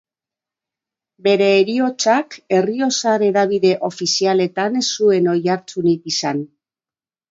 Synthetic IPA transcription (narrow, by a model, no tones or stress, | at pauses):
be̞ɾe̞ːɾio̞t͡ʃake̞rio̞saɾe̞ɾaβ̞iðe̞ʔo̞fisiale̞t̪ansue̞no̞jaɾt͡sunikisan